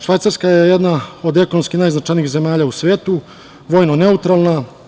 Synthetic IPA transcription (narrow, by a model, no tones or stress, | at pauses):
ʃʋajt̪saɾskajejed̪naod̪e̞konomskinaːjznat͡ʃajniːxze̞maːʎaːusʋe̞ːt̪u | ʋojnone̞ut̪ɾalˠna